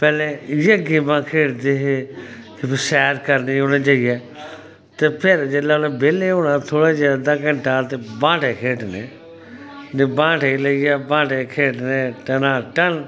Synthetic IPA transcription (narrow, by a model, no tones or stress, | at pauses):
pɛːlẽːjeːɡiːmãːkʰeːʈd̪eːɦeː | kɪpɪsɛːɾkəɾniːɦoːɽãːt͡ʃaːijɛː | t̪eːpʰɪɾd͡ʒeːlaːnẽːbeːleːɦoːɽãːt̪ʰoːɽaːd͡ʒaːd̪aːkə̃ɳʈaːt̪eːbãːʈeːkʰeːʈneː | nẽːbãːʈeːiləijɛːbãːʈeːkʰeːʈnẽːʈənãːʈən